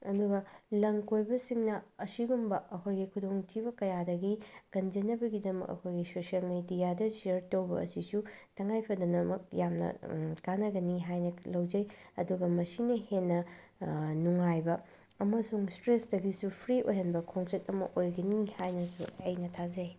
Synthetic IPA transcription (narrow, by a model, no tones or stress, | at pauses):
ɐduɡɐlɐŋkojbɐsiŋnɐɐsiɡumbɐɐkʰojɡikʰudoŋtʰibɐkɐjadɐɡikɐnd͡ʒɐnːɐbɐɡidɐmɐ̰kɐ̰kʰojɡisosiɐlmedijadɐsiɐɾtɐwbɐ̰ɐ̰sisutʰɐŋajpʰɐdɐnɐmɐk̚jamnɐ̰kanɐɡɐniɦajnɐlɐwd͡ʒɐjɐ̰duɡɐmɐsinɐhenːɐ | nuŋajbɐ | ɐmɐsuŋstɾesdɐɡisupʰɾiʔojɦɐnbɐkʰoŋset̚ɐmɐ̰ʔojɡɐnihajnɐsṵɐjnɐtʰazej